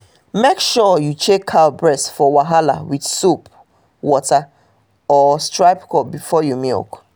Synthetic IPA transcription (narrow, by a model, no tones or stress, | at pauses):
mekʃɔjut͡ʃekʰːalbɹɛsfɔwaɦala̰widsup | wɔta | ɔstɹaɪpkʰɔp̚bifɔjumḭk